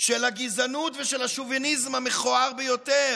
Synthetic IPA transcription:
ʃelaɡizanutveʃelaʃovinizmameχoaʁbejote

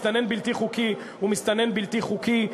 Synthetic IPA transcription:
t̪anenbilt̪iχuki | umist̪anenbilt̪iχuki

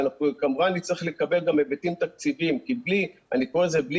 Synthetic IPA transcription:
nakamuʁaanit͡seeχlekabe̞lɡamebet̪imt̪ak̚t͡sivimkiblianikoʁezebl

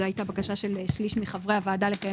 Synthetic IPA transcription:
ajtabakaʃaʃe̞lʃliʃmiχavʁeavaːdalekaje

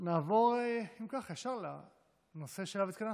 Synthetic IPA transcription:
naːvo̞ʁeimkaχeʃaʁla̰ | nose̞ʃelavet̪kana

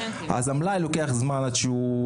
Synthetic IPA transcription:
a̰zamlajlokeaχzmanadʃeu

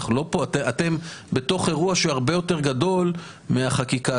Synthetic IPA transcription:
χlo̞poteat̪e̞mbe̞to̞χe̞ʁuaʃeaʁbe̞jo̞te̞ʁɡado̞l | meaχakika

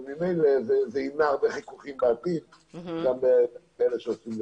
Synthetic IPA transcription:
mimejlezezeinaaʁbeχikuχimbaːt̪in | ɡame | eleʃeosimle

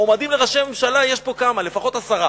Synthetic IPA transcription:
omad̪imleʁaʃememʃalajeʃpo̞kamale̞faχo̞t̪asaʁa

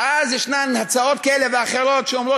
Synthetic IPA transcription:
ʔazjɪʃnanhat͡saotkaɛleveaχeɾotʃeɔmɾo

